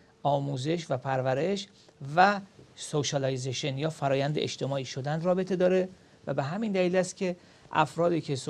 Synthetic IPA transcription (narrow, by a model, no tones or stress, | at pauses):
ʔɒːmuːze̞ʃvæpʰæɾvæɾe̞ʃ | væsoʃælijzeʃenjɒːfæɾɒːjænd̪eʔḛʃt̪ʰe̞mɒːiːʃo̞d̪ænd̪ɾɒːbe̞t̪ʰe̞d̪ɒːɾe̞ | væ̰beɦæmind̪æliːlæst̪̚cʲʰe̞ | ʔæ̰fɾɒːd̪iːcʰe̞s